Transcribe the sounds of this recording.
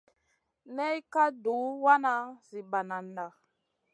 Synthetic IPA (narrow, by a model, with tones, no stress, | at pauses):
nɛ˦jka˦du˨˦wa˦na˨zi˨ɓa˨na˨nda˨